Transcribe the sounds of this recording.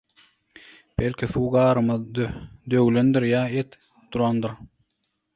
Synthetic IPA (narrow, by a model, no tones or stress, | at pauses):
belʲkʰʲiθuːɡɑːɾɯmɑd̪d̪øwlønd̪iɾjɑːet̪ | d̪̥uɾɑnd̪ɯɾ